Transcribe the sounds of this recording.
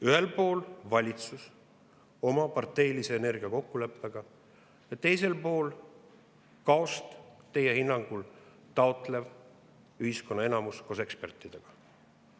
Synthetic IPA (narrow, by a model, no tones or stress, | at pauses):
yɦe̞lpo̞ːlvɑlʲit̪sus | o̞mɑpɑrt̪ːe̞jlise̞ːne̞rɡ̥iɑko̞kːule̞pːˑeɡ̥ɑ | jɑt̪e̞jse̞lpo̞ːl | kɑo̞st̪t̪e̞jehinːɑŋɡ̥ul | t̪ɑot̪ˑle̞v | yhiskonːɑe̞nɑmuskoːse̞kspe̞rt̪ˑːid̪̥eɡ̥ɑ